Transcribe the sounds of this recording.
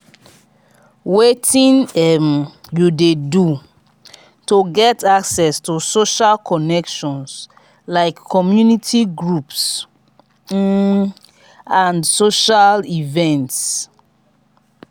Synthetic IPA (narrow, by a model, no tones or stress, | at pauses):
wetʰĩnɛmjudedu | toɡɛtʰaksɛstusoʃalkʰɔnɛkʃɔ̃ns | laɪkʰːɔmjunitʰiɡɹups | ãndsoʃalivɛ̃nts